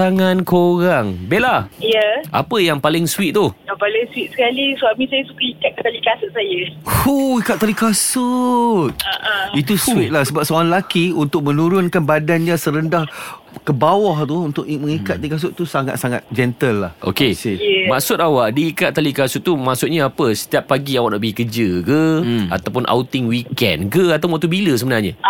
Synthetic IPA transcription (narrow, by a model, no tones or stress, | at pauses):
aŋãnkoɾaŋbelajəʔa̰pəjaŋpalɪŋswit̪̚t̪ujapalɪŋswit̪̚sə̥kaliswamĩsajəsukaikat̪̚kət̪alikasʊt̪̚sajəhuikat̪̚ːalikasʊt̪̚ʔit̪uswit̪̚lahsəbap̚səoaŋlakiunt̪ʊk̚mə̃nuɾʊnkanbadanɲasəɾəndah | kəbawɔht̪uunt̪ʊʔməŋikat̪̚ːalikas̬ʊt̪̚t̪usaŋa̰t̪saŋa̰t̪̚d͡ʒɛnt̪əlːahʔo̰kesmaksʊt̪̚awaʔdiːkat̪̚ːalikasʊʔ̚t̪ːumaʔsʊʔ̪̚ɲaapəsə̥t̪iapːaɡiawaʔnaʔbəikəd͡ʒəkəa̰t̪awpʊnʔa̰wt̪ɪŋwikɛ̰nkəat̪apunwaʔ̚t̪ubiləsəbənarɲa